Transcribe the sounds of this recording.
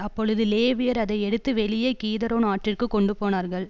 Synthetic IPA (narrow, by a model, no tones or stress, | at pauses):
ɐpːɔɻɯðɯleːʋɪjɐɾɐðɐɪɛɽɯt̪ːɯʋɛɭɪjeːkiːðɐɾoːnaːʈrɪrkɯkɔɳɖɯpoːnaːɾɣɐɭ